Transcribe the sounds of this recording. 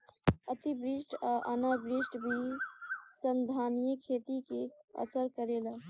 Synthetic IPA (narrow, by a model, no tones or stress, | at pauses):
ət̪ibɾisʈaʔənabɾisʈbʱi | sənd̪ʱanijəkʰet̪ikeə̰səɾkəɾelə